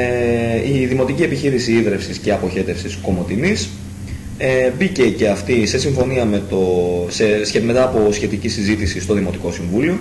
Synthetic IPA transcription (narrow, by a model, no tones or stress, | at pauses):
iðimo̞t̪icie̞piçiɾisiiðɾe̞fsisceɐpo̞çe̞t̪e̞fsisko̞mo̞t̪inis | ebice̞ce̞ɐft̪ise̞siɱfo̞niɐme̞t̪oseseme̞t̪ɐːpo̞sçe̞t̪icisizit̪isist̪o̞ðimo̞t̪iko̞siɱvulio̞